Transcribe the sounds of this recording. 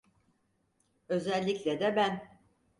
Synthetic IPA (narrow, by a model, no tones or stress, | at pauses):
ø̞zælʲːiclʲed̪ɛbæn